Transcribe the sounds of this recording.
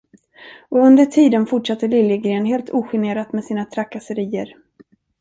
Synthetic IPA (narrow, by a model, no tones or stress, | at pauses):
ɔɵnd̪əʈʰiːd̪ənfʊʈʂat̪ːəlɪljəɡɾeːnɦeːlt̪ʰuːɧɪneːɾat̪mɛsiːnat̪ʰɾakːasəɾiːə̰ɾ